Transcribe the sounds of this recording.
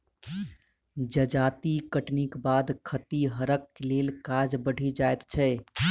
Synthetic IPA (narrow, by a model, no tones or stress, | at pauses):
d͡ʒəd͡ʒaːt̪ikəʈnikbaːd̪kʰət̪iɦəɾəkːleːlkaːd͡ʒbəɽ̤ʱid͡ʒaːet̪t͡ʃʰɛ